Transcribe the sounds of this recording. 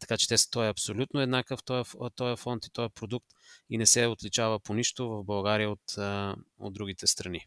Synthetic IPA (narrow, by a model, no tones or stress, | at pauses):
t̪ɐ̥kat͡ʃɛ̥t̪ɛst̪ɔɛɐpsolʲut̪noɛd̪nakəft̪ɔjəft̪ɔjəfɔnt̪i̥t̪ɔjəpɾod̪ukt̪inɛsɛot̪lit͡ʃavəponiʃt̪ovɐvbɐlˠɡaɾijəot̪əo̰d̪ːɾuɡ̟it̪ɛst̪ɾɐni